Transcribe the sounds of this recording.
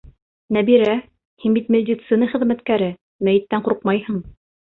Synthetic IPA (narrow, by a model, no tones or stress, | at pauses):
næbiɾæ | hinbit̪mʲed̪ʲit̪sɨnɤχɘ̆ðmæt̪kæɾɘ | mæjɘ̆t̪ːæɴquɾq̚mɑjhɤɴ